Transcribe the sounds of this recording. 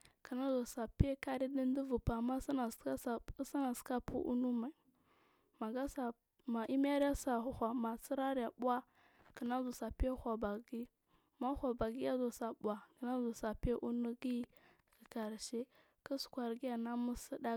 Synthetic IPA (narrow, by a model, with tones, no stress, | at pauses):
ki˨na˦zo˨sa˨pe˦ka˦ɾi˦di˦n˦di˦vu˨pa˨ma˦sna˨sa˦ssa˦na˨ska˦pṵ˦ʔṵ˦nu˦ma˨i˨ | ma˨ɡa˦sa˨ | ma˨ʔi˦m˦a˦ɾi˦ja˦sa˨xʷa˨ma˨si˦ɾa˦ɾi˦ja˨bu˦a˦ | ki˨na˦zu˨sa˨pe˦xʷa˨ba˨ɡi˦ | ma˦xʷa˨ba˨ɡi˦ja˦zo˨sa˨bu˨a˨ki˨na˦zu˨sa˨pe˦ʔu˦nu˦ɡi˦ | i˨ka˨ɾʃe˦ | ki˦su̥˨kʷa˨ɾɡi˦ja˨na˦mu˦si˦da˦